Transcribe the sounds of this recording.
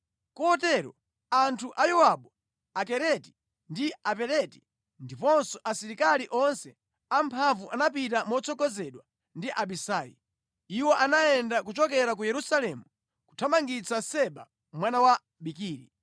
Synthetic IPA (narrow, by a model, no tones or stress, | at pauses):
kɔɔtɛɾɔ̰ | antʰuʔajɔwaɓɔ | akɛɾɛti̥ | ndiapɛɾɛti̥ | ndipɔnsɔʔasiɾikaliʔɔnsɛ | ampʰaɱvuʔanapitamɔt͡sʰɔkɔzɛɗwa | ndiʔaɓisaːjḭ | iwɔʔanaɛndak̬ut͡ʃɔk̬ɛɾak̬ujɛɾusalɛmu | ku̥tʰamaŋɡit͡sasɛɓa̰ | mwanawa | ɓikiːɾi